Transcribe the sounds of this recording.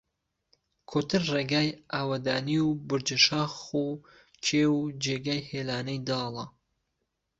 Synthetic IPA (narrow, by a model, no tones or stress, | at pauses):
kʰot̪ʰɨɾreːɡaːjʔaːwɐd̪aːniwbʊɾd͡ʒɐʃaːxu | t͡ʃʰeːwud͡ʒeːɡaːjheːlaːnɐjd̪ɑːlˠɐ